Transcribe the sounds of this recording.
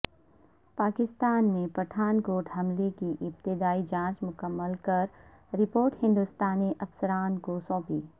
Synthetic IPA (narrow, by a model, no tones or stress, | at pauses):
paːkɪst̪aːnːepɾɐʈʰaːnkoːʈʰɦɐmlekiʔɪp̚t̪ɪd̪aːid͡ʒãːt͡ʃmʊkəmːəlkɐɾ | ɾɪpoːɾʈhɪ̃nd̪ʊst̪aːniʔɐfsəɾaːnkosɔ̃ːpiː